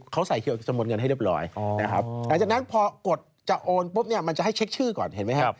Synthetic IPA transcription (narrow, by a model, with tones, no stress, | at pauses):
kʰa˦˥wsa˨˩˦jkʰi˧˩t͡ɕa˧mo˧t̪̚ŋɤ˧na˥˩jli˥˩p̚lɔ̰ː˧jna˦˥kʰa˦˥p̚la˨˦ŋt͡ɕaː˨˩k̚na˦˥npʰɔː˧ku˨˩ət̪̚t͡ɕa˨˩ʔoː˧npu˦˥p̚ni˥˩ɐma˧nt͡ɕa˨˩ha˥˩jt͡ɕʰe˦˥k̚t͡ɕʰɯː˥˩kɔ̰ː˨˩nhe˩˦nma˦˥jkʰa˧˦